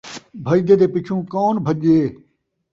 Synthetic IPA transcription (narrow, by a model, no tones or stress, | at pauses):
bʱɐid̪eːd̪eːpɪt͡ʃʰũːkoːnbʱəʄeː